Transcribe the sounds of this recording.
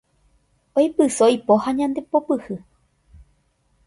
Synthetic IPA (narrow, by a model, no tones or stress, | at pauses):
ojpɨsojpohaɲãnd̪e̞popɨhɨ